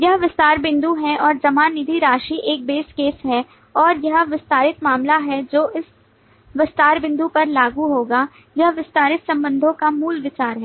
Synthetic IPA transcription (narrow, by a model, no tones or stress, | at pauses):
jɐɦʋɪst̪aːɾbɪ̃nd̪uɦɛ̃ʔɔːɾd͡ʒɐmaːnːɪd̪ʱiɾaːʃiʔeːk̚beːskeːsɦɛ | ɔːɾjɐɦʋɪst̪aːɾɪt̪maːmlaɦɛd͡ʒoːʔɪs | ʋɪst̪aːɾbɪ̃nd̪upɐɾlaːɡuɦoːɡa | jɐɦʋɪst̪aːɾɪt̪sɐ̃mbə̃nd̪ʱõkamuːlʋɪt͡ʃaːɾɦɛː